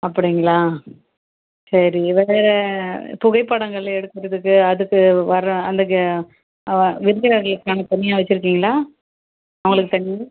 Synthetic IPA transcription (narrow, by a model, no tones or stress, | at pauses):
ɐpːɐɽɪŋɡɐɭaː | sɐɾiʋeːɾɛpʊɣɐɪpːɐɽɐŋɡɐɭɐɛɽɯt̪ːɯɾɐðɯkːɯɐðɯkːɯʋɐɾɐɐnd̪ɐk̬ːɯ | ʋɪɾɯɣɾɐɾɐɭɯkːaːnɐt̪ɐɳːɪjaːʋɐt͡ʃːɪɾɯk̬ːiːŋɡɐɭaː | ɐʋɐŋɡɐɭɯkːɯt̪ɐɳːɪ